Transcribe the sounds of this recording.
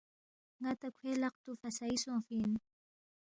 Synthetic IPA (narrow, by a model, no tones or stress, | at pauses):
ŋat̪akʷʰelɑq̚t̪ufasaisoŋfin